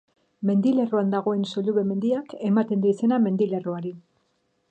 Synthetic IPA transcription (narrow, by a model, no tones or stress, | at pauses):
me̞nd̪ile̞roand̪aɣo̞e̞nsoʎuβe̞me̞nd̪iake̞mat̪e̞nd̪uise̞name̞nd̪ile̞roaɾi